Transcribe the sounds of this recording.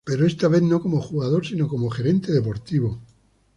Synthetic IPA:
pe̞ɾoe̞st̪aβeθno̞ko̞moxuɣað̞o̞ɾsino̞ko̞moxe̞ɾe̞nt̪e̞ðe̞po̞ɾt̪iβo

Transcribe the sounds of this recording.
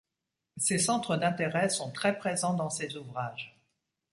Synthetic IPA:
sesɑ̃t̪χəd̪ɛ̃t̪eʁɛsɔ̃t̪χɛpχezɑ̃d̪ɑ̃sezuvʁaːʒ

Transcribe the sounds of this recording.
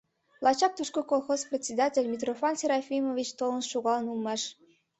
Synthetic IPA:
lˠɑt͡ɕɑk̚t̪uʃkokolˠxosprʲetʲsʲed̪atʲelʲmʲit̪rofɑnsʲeɾɑfʲimovʲit͡ɕt̪olˠnsʃuɣɑlˠənulˠmɑʃ

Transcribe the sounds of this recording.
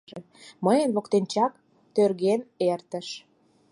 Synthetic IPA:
ĕ | məjə̆nlokt̪ent͡ɕɑk | t̪ørɣenert̪ə̆ʃ

